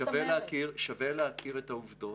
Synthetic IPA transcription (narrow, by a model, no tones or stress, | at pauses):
aveleakiʁʃaveleakʰiʁetauvdo